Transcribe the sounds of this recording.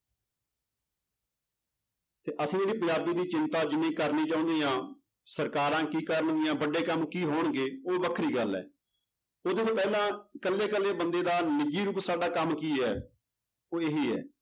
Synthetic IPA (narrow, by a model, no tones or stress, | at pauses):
t̪eːʔəsĩːd͡ʒeːɽiːpəjaːd̪iːd̪iːt͡ʃɪnt̪aːd͡ʒɪnːẽːkəɾniːt͡ʃaːʊ̃nd̪eːãː | səɾkaːɾãːkiːkəɾəɳɡɪːãːbəɖeːkəmkiːɦoːɳɡeːoːʋəkʰɾiːɡəlɛ̰ː | oːd̪eːt̪oːpɛːlãːkəlːeːkəlːeːbənd̪eːd̪aːnɪd͡ʒiːɾuːpsaːɖaːkəmkiːɛː | oːeɦiːɛ̰ː